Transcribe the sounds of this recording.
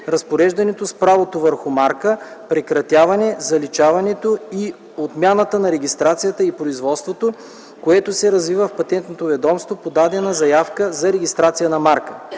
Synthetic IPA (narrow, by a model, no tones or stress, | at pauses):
ɾɐspoɾɛʒd̪ɐnɛt̪ospɾavot̪ovəɾxʊmaɾkəpɾɛkɾɐt̪ʲjavɐnɛzɐlit͡ʃavɐnɛt̪oi | ot̪mʲjanət̪ənɐɾɛɡ̟ʲist̪ɾat̪sijət̪əipɾoizvɔt̪st̪vot̪o | koɛt̪osɛɾɐzvivəfpɐt̪ɛnt̪not̪ovɛd̪ɔmst̪vopod̪ad̪ɛnɐzɐjafkəzɐɾɛɡʲist̪ɾat̪sijənɐmaɾkə